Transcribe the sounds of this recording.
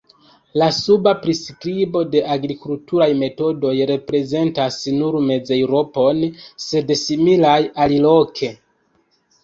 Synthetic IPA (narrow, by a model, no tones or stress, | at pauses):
lasubapɾiskɾibo̞de̞ʔaɡɾikultuɾajme̞to̞do̞jɾe̞pɾe̞ze̞ntasnuɾme̞d͡zewɾo̞po̞nse̞dsimilajalilo̞kʰe̞